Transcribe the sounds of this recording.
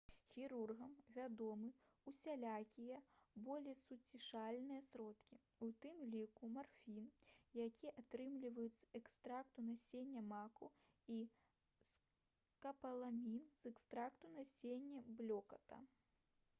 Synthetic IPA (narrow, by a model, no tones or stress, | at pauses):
xʲiɾurɣɐmvʲad̪ɔmɨ | usʲalʲakʲijɛbɔlʲejsut͡sʲiʂalʲnɨjɐsɾɔt̪kʲi | ut̪ɨmlʲikumarfʲinjakʲiʔat̪ɾɨmlʲivɐjut̪sɐ̥ɛkst̪ɾakt̪unasʲenʲːɐmaku | i | s | kɐpɐlˠamʲinz̥ɛkst̪ɾakt̪unasʲenʲːɐblʲɔkɐt̪ɐ̰